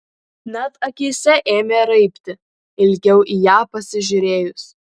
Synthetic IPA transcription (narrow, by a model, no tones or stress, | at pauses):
nʲɛt̪ɐkʲiːsʲɛʔeːmʲeːɾɐɪpʲt̪ʲɪ | ɪlʲɡʲɛʊʔiːjaːpɐsʲɪʒʲʊɾʲeːjʊs